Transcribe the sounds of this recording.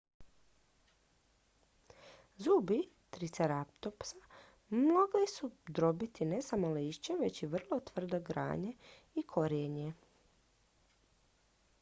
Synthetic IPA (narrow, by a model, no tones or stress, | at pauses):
zuːbi | t̪ɾit̪seɾap̚t̪opsa | mloɡlisud̪ɾo̞bit̪inesamoliːʃt͡ɕeʋe̞t͡ɕiʋr̩lˠo̞t̪ʋr̩d̪o̞ɡɾa̰ːɲe̞ | ikʰo̞ɾjeɲe